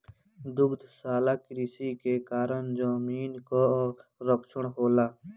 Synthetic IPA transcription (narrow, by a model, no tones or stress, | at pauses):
d̪ʊɡd̪ʱsaːlakɾisikekaːɾənd͡ʒaːmiːnkoɾəkʃəɽɦoːlaː